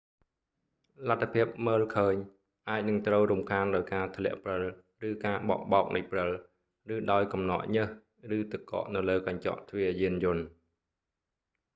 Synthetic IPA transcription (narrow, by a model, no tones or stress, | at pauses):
lat̪ʰːapʰiəp̚məːlkʰəːɲ | ʔaːc̚nɨŋt̪rəwrumkʰaːnɗaɔjkaːt̪ʰlɛ̆əʔprəl | rɨːkaːɓɑ̰ʔɓɑːk̚nɨjprəl | rɨːɗaɔjkɑmnɑ̰ʔɲəh | rɨːt̪əkːɑ̰ʔnɨwləːkaɲt͡ɕɑ̰ʔt̪ʰʋiəjiənjʊ̆ən